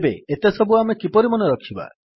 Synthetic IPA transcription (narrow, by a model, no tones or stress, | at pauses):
beet̪esɔbuamekipɔɾimɔnɔɾɔkʰiba̰